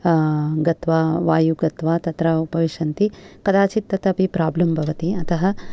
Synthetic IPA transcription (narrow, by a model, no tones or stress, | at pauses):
ɡɐt̪ʋaːʋaːjuɡɐt̪ʋaːt̪ɐt̪ɾaupɐʋiʂɐnt̪ikɐd̪aːt͡ʃit̪ːɐt̪ɐpipɾaːblɐmbʱɐʋɐt̪iɐt̪ɐɦɐ